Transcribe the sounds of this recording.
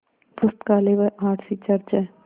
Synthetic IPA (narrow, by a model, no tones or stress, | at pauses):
d̪ʊst̪kaːleːʋəʔaːʈʰsit͡ʃɐɾt͡ʃa